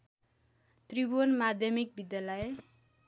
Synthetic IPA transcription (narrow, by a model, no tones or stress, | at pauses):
t̪ribonmad̪ʱjʌmik̚bid̪jalʌe